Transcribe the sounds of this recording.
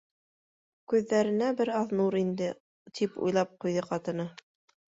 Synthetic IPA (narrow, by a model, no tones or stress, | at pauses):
kʉðːæɾɘ̆næbɘɾɑðnuɾind̪ɘ | t̪ʰipṵjlˠɑp̚qujðɤqɑt̪ɤ̆nɤ